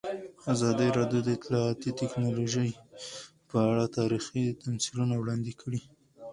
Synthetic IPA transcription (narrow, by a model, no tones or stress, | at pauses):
azɑd̪əɾɑdjod̪əɪt̪lɑɑt̪it̪ɪknɑloʒəj | pəaɽat̪ɑɾixit̪amsilunawɽɑnd̪ɪkʰəɽi